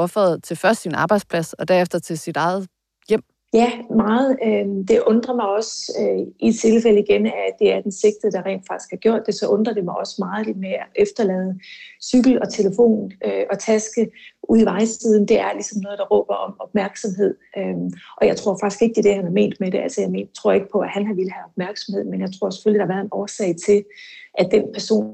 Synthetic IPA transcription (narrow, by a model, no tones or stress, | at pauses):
ɒfɛð̩ˠt͡sʰe̝lfɶɐsd̥sinɑ̈ːb̥ɑ̈ɪd̥spʰlæsɒ̽d̥æɐefd̥ɐt͡sʰe̝sid̥ɑ̈ɪð̩ˠ | jem̰ | jæmɑ̈ːð̩ˠød̥e̝ʔɔ̽nd̥ʁɐmɑ̈ɪɒ̽søit͡sʰe̝lfeləiɡ̥enææd̥e̝æɐd̥ense̝ɡ̥̚d̥ð̩ˠd̥ɑ̈ʁɛ̰ːnd̥fɑ̈ɡ̥i̥sɡ̥hæɐɡ̥jɔ̝ɐ̰d̥ːe̝sɒ̽ʔɔ̽nd̥ʁɐd̥e̝mɑ̈ɪɒ̽sə̥mɑ̈ːð̩ˠd̥imeæʔefd̥ɐlɛːð̞̩ˠəsyɡ̥l̩ɒ̽t͡sʰe̝ləfo̝̰ːnøʔɒ̽t͡sʰæsɡ̥əʔuð̰ˠiʋɑ̈ɪsið̞ˠn̩d̥e̝æɐlisɒ̽mnɔːð̞̩ˠd̥ɑ̈ʁɔ̰ːb̥ɐɒ̽mɒ̽b̥mæɐɡ̥sɒ̽mɦe̝ð̞̰ˠøʔɒ̽jɑ̈ɪt͡sʰʁo̝ɐ̰fɑ̈ɡ̥isɡ̥e̝ɡ̥əd̥e̝d̥ehænhɑ̈me̝̰ːnd̥meɾ̥eælsɐjɑ̈ɪme̝̰ːnt͡sʰʁo̝ɐ̰e̝ɡ̥ə̥pʰɒ̽æhænɦɑ̈ʋeləhæɒ̽b̥mæɐɡ̥sɒ̽mhe̝ð̞̰ˠmenjɑ̈ɪt͡sʰʁo̝ɐ̰se̥følid̥ɑ̈ʋæɐðˠenɒːsɛ̰ɪt͡sʰe̝lʔæd̥enpʰæɐso̝̰ːn